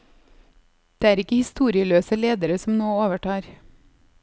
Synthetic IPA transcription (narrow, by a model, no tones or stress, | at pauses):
d̪̥eːæːɾɪkəhɪst̪uːɾɪəløːsəleːd̪əɾəsɔmnoːoːʋəʈɑːɾ